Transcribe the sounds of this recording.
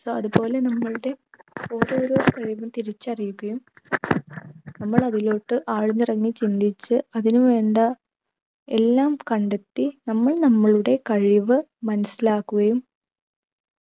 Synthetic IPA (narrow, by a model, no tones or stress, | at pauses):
soːɐðupo̞ːle̞nɐmːɐɭuɽe̞o̞ːɾo̞ːɾo̞ːkɐɻiʋumt̪iɾit͡ɕːɐrijukːɐjum | nɐmːɐɭɐðilo̞ːʈːɨʔaːɻuɲːɨrɐŋːit͡ɕind̪it͡ɕːɨɐðinuʋe̞ːɳɖɐ | elːaːmkɐɳɖet̪ːinɐmːɐɭnɐmːɐɭuɽe̞kɐɻiʋɨmɐnɐsilaːkːuɣɐjum